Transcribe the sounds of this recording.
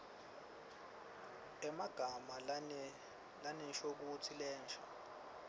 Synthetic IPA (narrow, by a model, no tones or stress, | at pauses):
ɛmaɡ̥ʱama | lanɛnʃok̬utʰilɛːnt͡ʃʰa